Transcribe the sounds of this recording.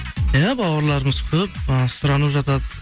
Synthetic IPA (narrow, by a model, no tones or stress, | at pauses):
jabɑwɑɾlˠɑɾəməz̥kʲʰɵp̚sʊɾɑnəpʒɑt̪ɑd̪ə